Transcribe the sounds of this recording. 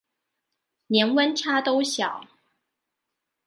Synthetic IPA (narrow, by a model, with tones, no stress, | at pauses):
njɛ˧˥nwə˦nʈ͡ʂʰa˥t̪o˦ʊɕjɑ˨˩˦ʊ